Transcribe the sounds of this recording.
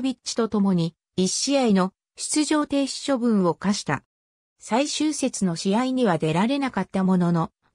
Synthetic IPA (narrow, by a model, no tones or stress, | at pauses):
bʲit͡ɕi̥t̪o̞t̪o̞mo̞ɲ̟i | iɕiaino̞ | ɕi̥t͡sɨʑo̞ːt̪e̞ːɕi̥ɕo̞bɯ̟̃ɰ̃o̞kaɕi̥t̪a̰ | saiɕɨːse̞t͡sɨno̞ɕiaiɲ̟iβad̪e̞ɾaɾe̞nakat̪ːamo̞no̞no̞